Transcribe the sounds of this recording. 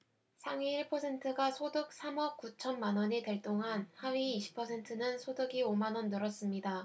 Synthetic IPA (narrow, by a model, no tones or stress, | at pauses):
sʰaŋiiɭpʰʌsʰe̞ntʰɯɡasʰodɯk̚s͈ʰamʌk͈ut͡ɕʰʌnmanʌɲete̞ɭt͈oŋɦanhawɥiːɕʰi̥pʰːʌsʰe̞ntʰɯnɯnsʰodɯɡiomanʌnːɯɾʌs͈ɯmɲida